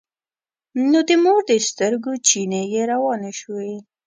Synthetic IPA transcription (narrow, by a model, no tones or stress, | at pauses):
nod̪əmoɾd̪əst̪əɾɡot͡ʃinejeɾawɑneʃwe